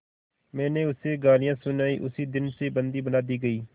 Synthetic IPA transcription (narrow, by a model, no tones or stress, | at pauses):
mɛ̃ːnẽːʊseːɡaːlɪjãːsʊnaːḭːʔʊsiːd̪ɪnseːbənd̪iːbənaːd̪iːɡəiː